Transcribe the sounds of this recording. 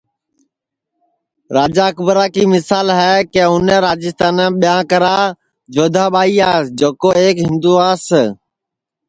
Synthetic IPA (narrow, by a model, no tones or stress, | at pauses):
ɾaːd͡ʒaːkʊbɾaːkiːmɪsaːlɦɛːkeːʊnɛ̃ːɾaːd͡ʒɪst̪aːnãːɓɪjãːkəɾaː | d͡ʒoːd̪ʱaːɓaːiːaːsd͡ʒoːkoːeːkɦɪ̃nd̪uːaːs